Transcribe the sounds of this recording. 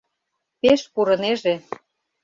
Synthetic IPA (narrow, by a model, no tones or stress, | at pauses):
peʃpuɾɤ̆neʒe